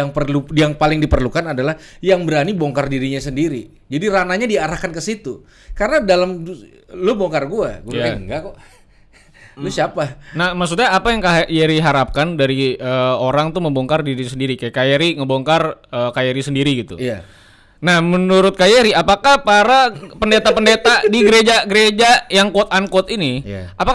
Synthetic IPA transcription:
aŋpərlujaŋpalɪŋdipərlukanadalahjaŋbəɾaniboŋkardiɾiɲasəndiɾi | d͡ʒadiɾanaɲadiaɾahkankəsit̪u | kaɾənadalam | lʊboŋkarɡua̰ɡuaakaəŋɡakɔ | lʊsiapanahmaks̬ut̪̚ɲaːpajaŋkajeɾiɦaɾap̚kandaɾiəːoɾaŋt̪uməmboŋkardiɾisəndiɾikajakajeɾiŋəboŋkarəːkajeɾisəndiɾiɡit̪ṵja | nahmənuɾʊt̪̚kajeɾiapakahpaɾapəndet̪apəndet̪adiɡəɾed͡ʒaɡəɾed͡ʒajaŋkot̪̚ankot̪inij̰apak

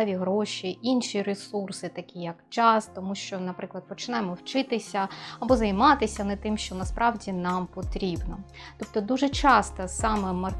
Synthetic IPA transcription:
ɛʋʲiɦɾɔʃʲiʔinʃiɾesursɪt̪ɐkʲijɐkt͡ʃɑst̪ɔmuʃt͡ʃɔnɐpɾɪklˠɐd̪̚pɔt͡ʃɪnɑjɪmɔwt͡ʃɪt̪ɪsʲɐɐbɔzɐjmɑt̪ɪsʲɐnɛt̪ɪmʃt͡ʃɔnɐspɾɑwdʲinɑmpɔt̪ɾʲibnɔ | t̪ɔp̚t̪ɔd̪uʒɛt͡ʃɑst̪ɐsɑmɛmɐ

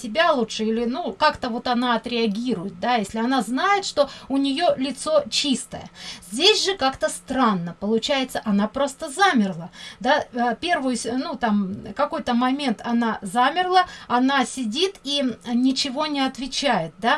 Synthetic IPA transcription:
sʲɪbʲalˠutʂɨilʲɪnukakt̪əvo̞t̪ɐnaɐt̪ɾʲɪɐɡʲiɾʊjɪt̪̚d̪ajesʲlʲɪɐn̪aznajɪt̪ʂt̪o̞ʊnʲɪjo̞lʲɪt̪so̞t͡ɕist̪ə̰jə̰zʲdʲesʲʐɨkakt̪əst̪ɾanːəpəlˠʊt͡ɕæjɪt̪səʔɐnapɾo̞st̪əzamʲɪrlˠəd̪aəpʲe̞rvɨjʊsnut̪amkɐko̞jt̪əmɐmʲe̞nt̪ɐnazamʲɪrlˠəɐn̪asʲɪdʲit̪inʲɪt͡ɕɪvo̞nʲɪɐt̪vʲɪt͡ɕæjɪt̪̚d̪a

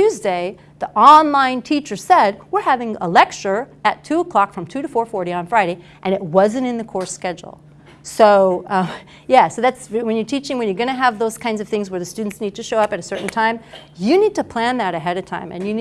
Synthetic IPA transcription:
ʉzdeɪ | ðiʔɑ̃nlãɪ̃ntʰit͡ʃə˞sɛd̚wəɹhævɪ̃ŋə̰lɛk̚t͡ʃə˞ɨtʰʉəkʰl̥ɑkfɹʌ̃mtʰʉɾɨfɔɹfɔɹɾiə̃nfɹaɪɾeɪ | ʔɨ̃ñɨt̚wʌzɨ̃ntɨ̃nðɨkʰɔɹskɛd͡ʒl̩ˠ | soʊ | jæsoʊðætswɨ̃njə˞tʰit͡ʃɪ̃ŋwɨ̃njə˞ɡʌñɨəvðoʊz̥kʰãɪ̃ndzʌv̥θɪ̃ŋzwə˞ðɨstʉdⁿn̩tsnid̚tʰɨʃoʊʌpɨɾɨsɜ˞ʔn̩tʰãɪ̃m | jɨnid̚tʰɨpʰl̥æ̃nðɨɾɨɦɛɾɨ̥tʰã̰ɪ̃mɨ̰̃njɨn

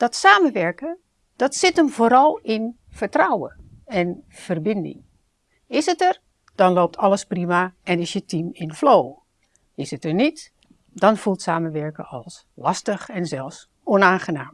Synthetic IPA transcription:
d̥ɔtsaːməʋɛɹkə | d̥ɔtsɪtəmvoːɾɑlˠɪn | v̥əɹtrɔwə̰ | ɛnv̥ərbɪndɪ̰ŋ | ɪsətər | d̥ɑnlowp̚tʰɑlˠəsprimaɛnɪsjətimɪnflow | ɪsətəɹnit | dɔnv̥ulˠtsaːmənʋɛɹkə̰ʔɑlˠs | lɑstəχɛnzɛlˠfs | ɔnaːnχənaːm

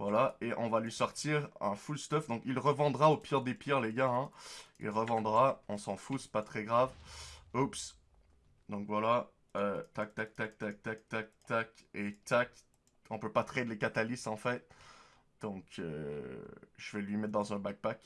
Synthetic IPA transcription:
vwalaeʔɔ̃valɥisɔʁt̪iʁɛ̰̃fulst̪ɔfd̪ɔ̃kilʁəvɑ̃d̪ʁaopiʁd̪epiʁleɡaɛ̃ḭlʁəvɑ̃d̪ʁaɔ̃sɑ̃fuspat̪χɛɡʁavups | d̪ɔ̃kvwala | øt̪ak̚t̪ak̚t̪ak̚t̪ak̚t̪ak̚t̪ak̚t̪aket̪ʰak | ɔ̃pøpat̪χed̪lekat̪alisɑ̃fɛt̪̚ | d̪̥ɔ̃kø̰ | ʒ̥əvɛlɥimɛt̪̚d̪ɑ̃zɛ̃bak̚bak

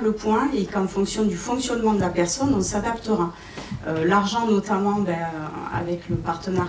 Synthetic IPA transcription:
ləpwɛ̃ekɑ̃fɔ̃ksjɔ̃d̪yfɔ̃ksjɔnmɑ̃d̪əlapɛʁsɔnɔ̃sad̪apt̪əʁa | ølaʁʒɑ̃nɔt̪amɑ̃bɛøa̰vɛkləpaʁt̪ənaʁ

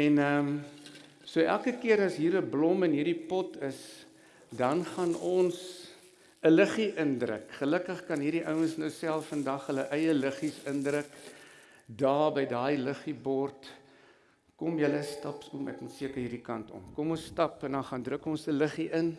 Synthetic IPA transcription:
ɛnəm | suəʔæ̰lˠkəkiəɾɐsɦiːɾəblɔmənɦiːrdipɔtʰəs | dɐnχɐnɔns | ələχiʔəndrə̰kχələkəχkɐnɦiːrdiʔœwənsnəwsælˠffəndɐχɦələʔɛjələχisəndrək | dɑːrbəjdɑːiləχibɔrt | kɔmjələstɐpsumɛ̰kmɐnsiəkərɦiːrdikɐntɔ̰mkɔmɔnsːtɐpəndɐnχɐndrəkɔnsələχiʔən

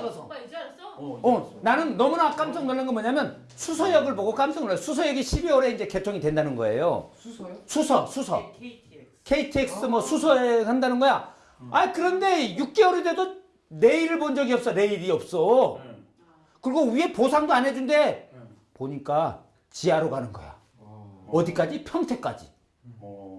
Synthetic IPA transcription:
ʌnanɯnːʌmunak͈amsʰʌŋnoɭːɯnɡʌmʌɲamjʌn | sʰus̬ʰʌjʌɡɯɭboɡok͈amsʰʌŋsʰus̬ʰʌjʌɡiɕʰibiwʌɾe̞ind͡ʑe̞ke̞tʰoŋidwe̞ndanɯnɡʌ̰e̞̰jo̰ | sʰusʰʌsʰusʰʌ̰ | kʰe̞itʰeks͈ɯmʌsʰusʰʌehandanɯnɡʌja | aikɯɾʌnde̞juk̚k͈e̞ʌɾide̞do | ne̞iɾɯɭbond͡ʑʌɡiʌp̚s͈ʌne̞iɾiʌp̚s͈ʌ | kɯɾiɡowie̞posʰaŋdoanɦe̞d͡ʑunde̞ | poɲik͈a | t͡ɕiaɾoɡanɯnɡʌ̰ja̰ | ʌdik͈ad͡ʑipʰjʌŋtʰe̞k͈a̰d͡ʑḭ

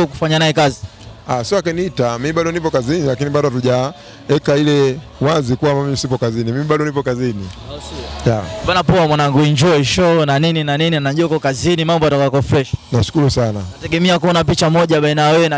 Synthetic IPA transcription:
ɔku̥faɲanajɛkazi | asiakɛniitamimiɓaɗɔnipɔkazinilakiniɓaɗɔtuʄa | ɛkailɛ | wazikuwamamsipɔkazinimimiɓaɗɔnipɔkazini | jaɓanapɔwamwanaŋɡuɛɲd͡ʒɔiʃɔnanininanininaʄuɔakɔkazinimambɔatakwakɔfɾɛʃnaʃu̥kuɾusana̰atɛɡɛmɛakuɔnap̬it͡ʃamɔʄaɓainajawɛɛna

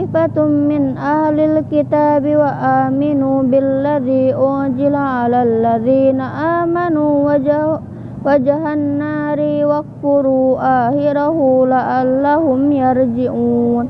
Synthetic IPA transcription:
ɪfat̪mɪnʔahlalkɪt̪aːbɪwaʔaːmɪnuːbɪlːaðiːʔʊʕzɪlaʕalalːaðiːnaʔaːmanuːw | wad͡ʒaɦanːaːɾiwak̚bʊɾuːʔaːhɪɾahulaʔalːahʊmjaɾd͡ʒɪʔuːn

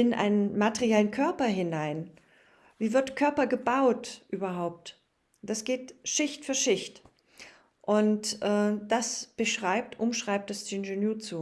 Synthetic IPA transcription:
ɪnʔa̰ɪnənmatəʁijɛlənkʰœɐpɐɦɪnaɪn | viːvɪɐtkʰœɐpɐɡəbaʊtʔyːbɐɦaʊp̚t | d̥asɡ̥eːtʃɪçtfyːɐʃɪçt | ʔʊntʔɛːd̥asb̥əʃʁ̥aɪp̚tʔʊmʃʁ̥aɪp̚t̚d̥asdɪnʒenyːɐt͡suː

